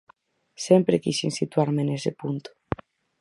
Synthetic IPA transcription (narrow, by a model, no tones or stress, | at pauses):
sempɾekisinsit̪uaɾmenesepunt̪u̥